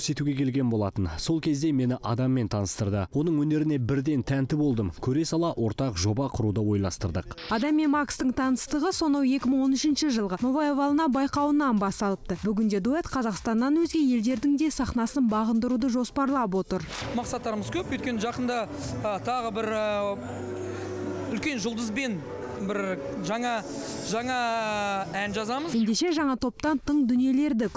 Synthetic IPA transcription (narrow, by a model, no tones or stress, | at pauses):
ɵɾse̞t̪uɡʲe̞kʲʰe̞lɡʲe̞nbo̞lˠɑt̪ənso̞lˠkʲʰe̞zd̪e̞me̞nɪʔɑd̪ɑmːe̞nt̪ʰɑnəst̪əɾd̪əwo̞nəɴwɵne̞ɾɪne̞bɪɾd̪e̞nt̪ʰænt̪ɪbo̞lˠd̪əmkʲʰɵɾesɑlˠɑʔwʔo̞ɾt̪ɑqʒo̞bɑqʰʊɾud̪əwo̞jlˠɑst̪əɾd̪əqɑd̪ɑmːe̞nmɑkst̪əɴt̪ʰɑnəst̪əʁəso̞nɑwe̞kʲɪməɴwo̞nɪʃɪnʃəʒəlˠʁəmovajevɑlˠənɑbɑjqɑwənɑnbɑst̪ɑlˠəpt̪əbʏɡʲɪnd̪e̞d̪uet̪qʰɑzɑqst̪ɑnːɑnwɵzɡʲe̞je̞ld̪e̞ɾd̪ɪŋd̪e̞sɑχnɑsənbɑʁənd̪əɾud̪əʒo̞spɑɾlˠɑp̬wo̞t̪əɾmɑqsɑt̪ːɑɾəməzkʲʰɵpojt̪̚kʲe̞nəʒɑqənd̪ɑ | ət̪ʰɑʁəbɪɾ | ʏlkʲe̞nʒʊlˠd̪əzbe̞n | bɪɾ | ʒɑɴɑ | ʒɑɴɑ | ænʒɑzɑməzje̞nd̪e̞ʃe̞ʒɑɴɑt̪ʰo̞p̚t̪ɑnt̪ʰəɴd̪ʏnije̞le̞ɾd̪ɪkʲ